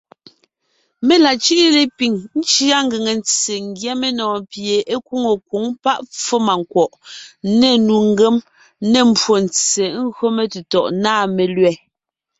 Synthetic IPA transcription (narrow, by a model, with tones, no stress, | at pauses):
me˦la˨t͡ʃi˦ʔi˦le˨pi˨ŋn̩˦t͡ʃi˦a˦ŋ˦ɡe˨ŋe˨nt͡se˨ŋ˦ɡjɛ˦me˦nɔ̃ː˨pje˨ʔe˦ku˦ŋo˨kwu˨˦ŋpa˦ʔp͡fo˦ma˨ŋ˨kwɔ˨ʔne˨nu˨ŋ˦ɡe˦m | ne˨m̩˨bwo˨n̩t͡se˨˦ŋ̩˦ɣɰo˦me˨te˨tɔ˨ʔnaː˦˨me˨lɥɛ˦˨